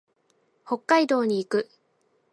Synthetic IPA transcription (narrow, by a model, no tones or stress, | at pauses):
ho̞kːaid̪o̞ːɲ̟iːkɯ̟